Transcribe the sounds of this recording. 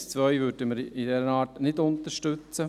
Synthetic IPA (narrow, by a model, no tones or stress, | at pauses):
st͡svœʏvʏd̥əməɾidɛɾənɑːtnɪtʊnt̪əɾʃtʏt͡sə